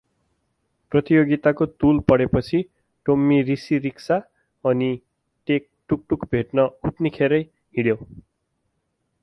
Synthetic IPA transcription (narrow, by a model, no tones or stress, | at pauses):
prʌt̪ijoɡit̪akot̪ulpʌɽepʌt͡sʰi | ʈomːiɾisiɾiksa | ʌni | ʈek̚ʈuk̚ʈukbʱeʈnʌut̪nikʰeɾʌj | ɦiɽjo